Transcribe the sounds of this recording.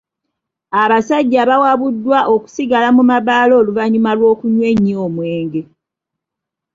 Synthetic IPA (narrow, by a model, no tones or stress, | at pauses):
aβasaɟːaβawaβudːwaʔo̞ku̥siɡalamumaβaːlo̞ːluvaɲumalwo̞ːkuɲwe̞ɲːio̞ːmwe̞ːŋɡe̞